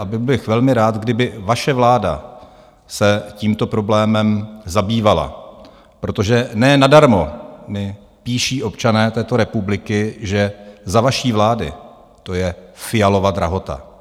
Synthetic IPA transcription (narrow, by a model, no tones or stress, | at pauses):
ʔabɪblɪxvɛlmɪɾaːt̪ɡdɪbɪvaʃɛvlaːda̰ | sɛciːmt̪o̞pɾo̞blɛːmɛmzabiːvala̰ | pɾo̞t̪o̞ʒɛnɛːnadaɾmo̞mɪ | piːʃiːʔo̞pt͡ʃanɛːt̪ɛːt̪o̞ɾɛpublɪkɪʒɛzavaʃiːvlaːdɪ | t̪o̞jɛfɪjalo̞vad̪ɾa̰ɦo̞t̪a̰